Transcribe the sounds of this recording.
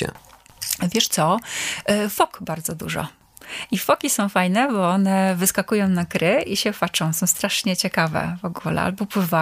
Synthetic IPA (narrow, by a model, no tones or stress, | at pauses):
ɛ̰ | vʲjɛʂt̪sɔ | fɔkbaɾd̪zɔd̪ṵʐɔ̰ | ifɔkʲisɔ̃w̃fajnɛbɔɔnɛvɘskakujɔ̃w̃nakɾɘiɕɛfat͡ʂɔ̃w̃sɔ̃w̃st̪ɾaʂɲɛt͡ɕɛkavɛ̰vɔɡulɛ̰a̰lbɔpwɘva